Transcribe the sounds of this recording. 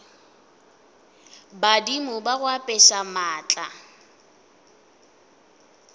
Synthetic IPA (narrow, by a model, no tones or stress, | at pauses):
badimʊbaɣwapʼɛʃamaːt͡ɬʼa